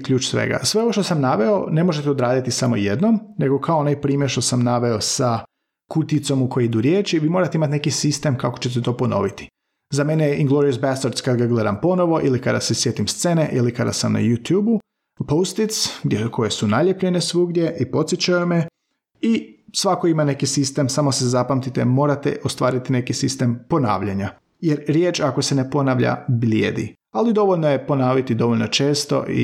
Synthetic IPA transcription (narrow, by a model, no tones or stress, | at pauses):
kʎʲuːt͡ʃsʋḛɡa̰sʋe̞oʋoʃt̪o̞samnaʋe̞one̞mo̞ʒet̪eo̞d̪ɾaːd̪it̪isamo̞jed̪nomne̞ɡo̞kʰaonajpɾiːmjeɾʃt̪o̞samnaʋe̞osa | kut̪it̪so̞mukojiid̪uɾje̞ːt͡ʃiʋiːmo̞ɾat̪eimat̪nekisist̪e̞mkakot͡ɕet̪̬et̪o̞po̞no̞̰ʋit̪i̥ | zame̞neʔiŋɡlˠo̞ɾiosbast̪aɾt̪skad̪ɡaɡle̞d̪ampo̞no̞ʋo̞ʔilikad̪a̰sesje̞ːt̪imst̪seneʔilikad̪a̰samna̰jut̪juːbu | powst̪it̪skʰo̞je̞sunaʎepʎenesʋuɡd̪je̞ʔipo̞t̪sjit͡ɕajume | isʋakoimane̞kisist̪e̞msamo̞sezapamt̪it̪emo̞ːɾat̪ḛʔost̪ʋaːɾit̪ine̞kisist̪e̞mpo̞na̰ːʋʎaɲa | jeɾɾjeːt͡ʃako̞sene̞po̞naʋʎa̰bʎiḛːd̪ḭ | alid̪o̞ʋo̞ʎnoje̞po̞naːʋit̪id̪o̞ʋolʲno̞t͡ʃe̞ːst̪o̞̰ʔḭ